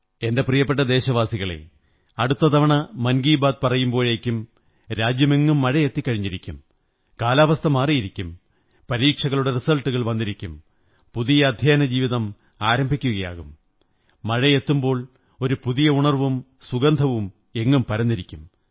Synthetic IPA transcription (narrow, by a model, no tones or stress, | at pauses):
e̞nde̞prijɐpːeʈ̬ːɐd̪e̞ːɕɐʋaːsiɣɐɭe̞̰ | ɐɽut̪ːɐt̪ɐʋɐɳɐmɐnɡiːbaːd̪̚pɐrɐjumbo̞ːɻekʲːum | ɾaːd͡ʑjɐme̞ŋːumːɐɻɐjet̪ːikʲːɐɻiɲːiɾikʲːum | kaːlaːʋɐst̪ʰɐmaːrijiɾikʲːum | pɐɾiːkʂɐɣɐɭuɽe̞risɐlʈːuɣɐɭʋɐnːiɾikʲːum | puðijɐːd̪ʱjaːnɐd͡ʑiːʋiðɐm | aːɾɐmbʱikʲːuɣɐja̰ːɣumː | ɐɻɐjet̪ːumbo̞ːɭ | o̞ɾupuðijɐuɳɐrʋum | suɡɐnd̪ʱɐʋum | e̞ŋːumpɐɾɐnːiɾikʲːum